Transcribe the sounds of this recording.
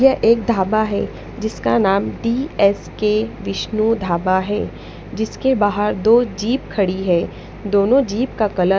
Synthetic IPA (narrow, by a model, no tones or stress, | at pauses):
jɐʔeːk̚d̪ʱaːbaɦɛ̰ː | d͡ʒɪskanaːmɖiːɛːskeʋɪʃnud̪ʱaːbaɦɛː | d͡ʒɪskebaːɦəɾd̪oːd͡ʒiːp̚kʰɐɽiɦɛ̃ː | d̪oːnõd͡ʒiːpkakɐlə